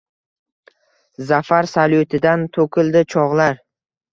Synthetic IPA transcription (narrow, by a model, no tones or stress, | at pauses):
zafaɾsalot̪ʰɪd̪ant̪ʰokʰʲɪlˠd̪ɪt͡ʃʰɒʁlaɾ